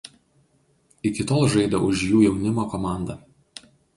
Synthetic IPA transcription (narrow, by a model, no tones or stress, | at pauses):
ɪkʲɪt̪oːlˠʒɐɪd̪ʲoʔʊʃjuːjɛʊnʲɪmoːkɔmɑˑnd̪ɐ